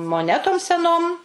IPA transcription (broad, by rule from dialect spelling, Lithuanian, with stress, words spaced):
moːˈnʲæːtoːm sʲɛˈnoːm